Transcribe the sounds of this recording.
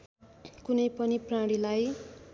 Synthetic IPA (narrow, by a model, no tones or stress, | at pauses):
kunʌjpʌniprãɽilaj